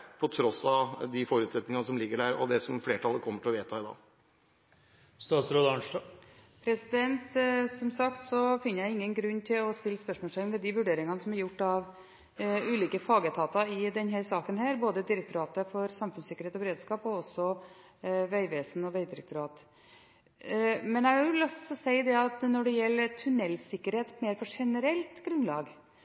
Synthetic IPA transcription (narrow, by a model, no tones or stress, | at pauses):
pʰɔt̪ʰɾɔsɑd̪ɪfɔɾʉːt̪sɛt̪nɪŋɑnsɔmlɪɡːəɖæɾɔ̰d̪ɛsɔmfleːʈʰɑlːəkʰɔmːəʈʰɪlɔʋeːt̪ʰɑɪd̪ɑ̰ː | st̪ɑːsɾoːd̪ɑɳʂʈɑpʰɾɛsɪd̪ɛnt̪sɔmsɑkt̪sɔfɪnːəjæɪɪŋːənɡɾʉnːt̪ʰɪlɔst̪ɪlːspœʂmɔːʈɛŋnʋɛd̪iʋʉɖeːɾɪŋɑnəsɔmæɾjʊʈːɑʋ | ʉːliːkəfɑːɡət̪ʰɑːt̪ɑɪd̪ɛnɦæːɾsɑːkənhæːɾboːd̪əd̪ɪɾɛk̚t̪ʊɾɑːt̪əfɔɾsɑmfʉnsɪkəɾeːt̪ɔbəɾeːd̪skɑːpɔɔsɔ | ʋæɪʋeːsn̩ɔʋæɪd̪ɪɾɛk̚t̪ʊɾɑːt̪ | mɛnæʊlɑst̪sɔsæɪd̪ɛɑt̪nɔɖɛjɛlːəɾt̪ʰʉnɛlːsɪkːəɾheːt̪meɪɾfɔʂɛnəɾɛlt̪ɡɾʉnlɑːɡ